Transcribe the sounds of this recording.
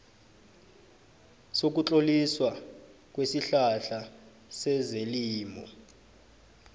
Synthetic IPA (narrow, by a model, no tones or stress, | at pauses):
sok̬ut͡ɬoliswa | k̬wesiɬaɬa | sɛzeliːmɔ